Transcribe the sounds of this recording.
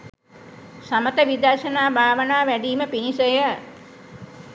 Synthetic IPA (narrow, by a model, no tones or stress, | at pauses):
samət̪əʋid̪aɾʃənaːbʱaːʋənaːʋæɖiːməpinisəjə